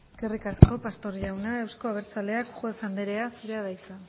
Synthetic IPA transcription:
eske̞rikasko̞past̪o̞ɾʝawnae̞wsko̞aβeɾt͡sale̞akʝuesand̪eɾe̞asuɾeað̞ajt͡sa

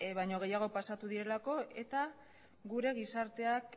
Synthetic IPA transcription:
βajɲo̞ɣe̞jaɣ̞o̞pasat̪uðiɾe̞lako̞e̞t̪a | ɡuɾe̞ɣisaɾt̪e̞ak

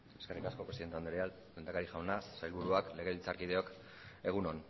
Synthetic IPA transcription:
e̞skerikasko̞pɾeiðent̪eand̪ɾeɾeal | lend̪akaɾiʝawnasajlβuɾuakle̞ɣ̞e̞ilt͡saɾkið̞e̞o̞k | e̞ɣ̞unon

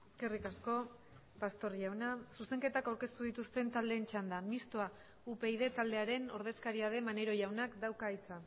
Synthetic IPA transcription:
e̞ske̞rikasko̞ | past̪o̞ɾʝawnasuse̞ŋke̞t̪akawɾke̞st̪uð̞it̪ust̪e̞nt̪ald̪e̞ːnt͡ʃand̪amist̪oa | upe̞iðe̞t̪ald̪e̞aɾe̞no̞ɾð̞e̞skaɾiað̞e̞mane̞ɾo̞ʝawnakd̪awkait͡sa

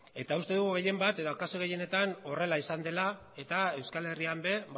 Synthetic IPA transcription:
e̞t̪aust̪e̞ðuɣuɣe̞je̞mbat̪e̞ðokasoɣe̞je̞ne̞t̪ano̞re̞laisand̪e̞la | e̞t̪ae̞wskale̞riambe̞

